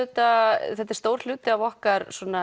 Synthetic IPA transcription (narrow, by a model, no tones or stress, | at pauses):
t̪aθɛht̪ɪɾ̥st̪owɾ̥l̥ʏːt̪ɪavɔhkaɾsɔna